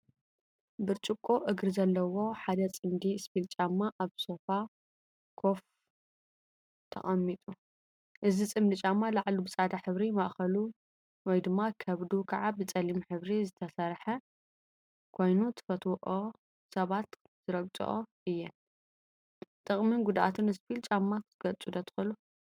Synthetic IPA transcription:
bɨɾt͡ʃʼɨkʼːoʔɨɡɾizɐlːɐwo̞ħad̪ɐt͡sʼɨmd̪iɨspilt͡ʃʼamːaʔaβso̞fa | kʰo̞f | t̪ʰɐ̰χʼɐmːit̪ʼu | ʔɨzit͡sʼɨmd̪ɨt͡ʃʼamːalaʕlubɨt͡sʼad̪aħɨβɾimɐʔxɐlu | wɔjd̪ɨmːakʰɐβd̪ukʰɐʕabɨt͡sʼɐlimħɨβɾizɨt̪ʰɐsɐɾħɐ | kʰo̞jnut̪ʰɨ̥fɐt̪ʰwʔo | sɐβat̪ | z̥ɨɾɐɡt͡sʼṵʔoʔɨjːɛn | t̪ʼɨχʼmɨnɡud̪ʔa̰t̪ʰɨnɨspilt͡ʃʼamːaɨɡ̥ɐt͡sʼud̪ɐt̪ʰɨ̥xɐlu

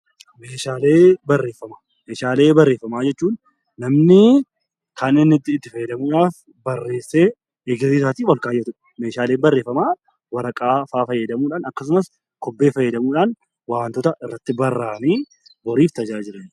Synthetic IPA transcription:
meːʃaːle̞ːbɐrːe̞ːfːɐmaː | meːʃaːle̞ːbɐrːeːfːɐmaːd͡ʒɛt͡ʃːuːnː | ɐmnɪ | kɐnɪnːɪt̪ːɪːt̪ːɪfɐjːɛd̪ɐmuːᶑaːf | bɐrːe̞ːsːe̞ː | ɡziːsaːt̪iːwɐlkaːjːɐt̪ʊᶑɐ̥me̞ːʃaːle̞ːnbɐrːe̞ːfːɐmaː | wɐɾɐkʼaːfaːfɐjːɛd̪ɐmuːᶑaːnɐkːɐs̬ʊmɐs | kɔbːe̞ːfɐjːɛd̪ɐmuːᶑaːn | waːnt̪ɔt̪ɐʔɪrːɐt̪ːɪbɐrːaːniː | bɔɾiːft̪ɐd͡ʒaːd͡ʒɪɾeːn

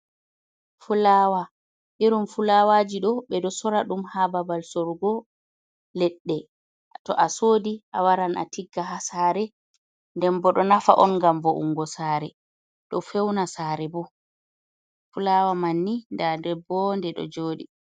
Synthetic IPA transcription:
fulaːwa | ʔiɾumfulawaːd͡ʒiɗɔɓɛɗɔsɔɾaɗumhababalsoɾɡɔ | lɛɗːɛ | tɔʔasoːdiʔawaɾana̰tiɡːaɦasaːɾɛ | ndɛmbɔɗɔnafa̰ʔɔnŋɡamvɔʔṵŋːɡɔsaːɾɛ | ɗɔfɛwnasaːɾɛbɔ | fulawamanːindandɛbɔndɛɗɔ̰d͡ʒoːɗi

